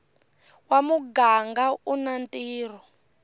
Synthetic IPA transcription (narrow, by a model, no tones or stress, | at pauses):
wamuɡaŋɡaʔunantʼiːr̤ɔ